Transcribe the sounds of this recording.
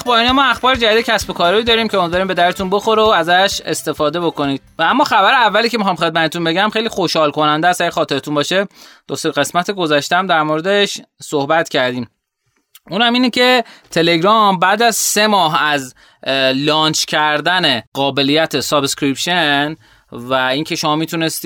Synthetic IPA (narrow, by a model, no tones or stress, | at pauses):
æxbɒːɾinɒmɒːæxbɒːɾed͡ʒæd̪id̪ecʰæsbo̞kʰɒːɾiiːd̪ɒːɾiːmcʰeomid̪vɒːɾiːmbe̞d̪æɾet̪unbo̞xo̞ɾeoæzæʃe̞st̪e̞fɒːd̪e̞bo̞ko̞niːd̪̥vææmːɒːxæbæɾeævːæliːcʰeixɒːmχxe̞d̪̚mæt̪et̪unbe̞ɟæmxejliːxo̞ʃhɒːlkʰo̞nænd̪eæst̪æxɒːt̪e̞ɾet̪ʰunbɒːʃe̞d̪̥oseɣe̞smæt̪ʰeɡo̞zæʃt̪ææmd̪æɾmoɾe̞d̪e̞ʃsohbæt̪cʰæɾd̪iːm | uːnhæmiːnecʰe̞t̪ʰe̞le̞ɡɾɒmbæːd̪æzse̞mɒːɦæz | lɒːnt͡ʃʰcʲʰæɾd̪æne̞ɢɒːbe̞lijæt̪ʰesɒbskɾipʃen | væiːŋcʰe̞ʃo̞mɒːmiːt̪ʰune̞st̪i